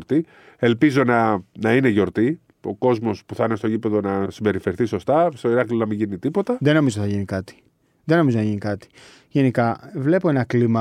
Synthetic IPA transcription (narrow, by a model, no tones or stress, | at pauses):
ɾt̪i | e̞lpizo̞nɐnɐineʝo̞ɾt̪i | oko̞zmo̞spuθɐnest̪oʝipe̞ðo̞nɐsimbe̞ɾife̞ɾiθiso̞st̪ɐst̪o̞iɾɐklionɐmiʝinit̪ipo̞t̪ɐðe̞no̞mizoθɐʝinikɐt̪i̥ | ðeno̞mizonɐʝinikɐt̪i̥ | ʝe̞nikɐvle̞poenɐklimɐ